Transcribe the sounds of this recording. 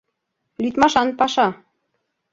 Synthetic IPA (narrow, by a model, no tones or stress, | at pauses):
lyt̪mɑʃɑnpɑʃɑ